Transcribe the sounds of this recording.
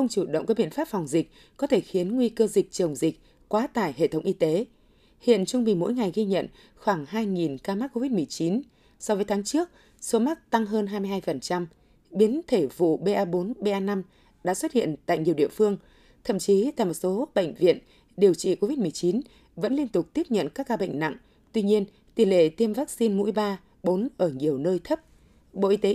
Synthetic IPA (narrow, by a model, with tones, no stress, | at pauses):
xə˧wŋ͡mt͡ɕu˧˩ɗə̰˧˨ŋ͡mkaː˨˦˥ɓḭ˧˨ənfaː˦˥p̚fɔ˨˩wŋ͡mzi˨˩k̟̚ | kɔ˨˦t̪ʰe˧˩xi˨˦ənŋwi˧kəː˧zï˨˩k̟̚t͡ɕə˨˩wŋ͡mzï˨˩k̟̚ | kwaː˨˦t̪a̰ː˧˩jɦḛ˧˨t̪ʰə˨˦wŋ͡mʔi˧t̪e˨˦ | hḭ˧˨ənt͡ɕʊ˧ŋ͡mɓi˨˩mo̰˧˥jŋa˨˩jɣi˧ɲə̰˧˨n | xwaː˧˩ŋhaː˧jŋi˨˩nkaː˧ma˦˥t̚kːo˧vi˦˥t̚mɨ˨˩əjt͡ɕi˨˦n | sɔ˧vəː˨˦jt̪ʰaː˨˦ŋt͡ɕɨ˦˥ək̚ | so˨˦ma˦˥t̚t̪a˧ŋɦəː˧nɦaː˧jmɨ˧jɦaː˧jfə˨˩nt͡ɕa˧m | ɓi˨˦ənt̪ʰe˧˩vṵ˧˨ɓe˧ʔaː˧ɓo˨˦nɓe˧ʔaː˧na˧m | ɗa̰ː˧˥swə˦˥t̚hḭ˧˨ənt̪a̰ː˧˨jɲi˨˩əwɗḭ˧˨əfɨ˧əŋ | t̪ʰə̰˧˨mt͡ɕi˨˦t̪a̰ː˧˨jmo˨˩t̚so˨˦˥ɓə̰˧˨jŋ̟vḭ˧˨ən | ɗi˨˩əwt͡ɕḭ˧˨ko˧vi˦˥t̚mɨ˨˩əjt͡ɕi˨˦n | və̰˧˥nli˧ənt̪ʊ˨˩k͡p̚t̪i˦˥əp̚ɲə̰˧˨nkaː˦˥k̚ːaː˧ɓə̰˧˨ŋna̰˧˨ŋ | t̪wi˧ɲi˧ən | t̪i˨˧˩lḛ˧˨t̪i˧əmvaː˦˥k̚si˧nmṵ˧˥jɓaː˧ | ɓo˨˦nʔəː˧˩ɲi˨˩əwnəː˧jt̪ʰə˦˥p̚ | ɓo̰˧˨ʔi˧t̪e˨˦